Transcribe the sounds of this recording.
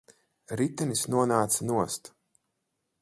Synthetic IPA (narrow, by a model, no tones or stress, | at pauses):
ɾit̪ɛnisnuɔnaːt̪sanuɔst̪